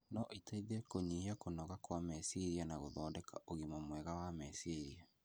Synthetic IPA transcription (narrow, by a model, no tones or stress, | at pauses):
nɔʔitaiðɛkoɲiiakonɔɣakwamɛsiɾianaɣoðɔːdɛkaʔoɣimɔmwɛɣawamɛsiɾia